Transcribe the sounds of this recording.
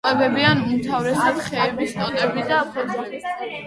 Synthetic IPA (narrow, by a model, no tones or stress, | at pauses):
wɛbɛbianumt̪ʰavɾɛsabχɛːbist̪ʼɔt̪ʼɛbid̪aːpʰɔd̪zlɛbi